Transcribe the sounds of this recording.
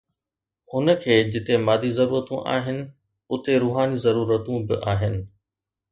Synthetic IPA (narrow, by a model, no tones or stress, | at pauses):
ʊnə̆kʰeːd͡ʑɪt̪emaːd̪ʱizɐɾuːɾət̪ũʔa̰ːɦɪnɪ̆ | ʊt̪eɾuːɦaːnizɐɾuːɾət̪ũbɪ̰ʔaːɦɪnɪ̆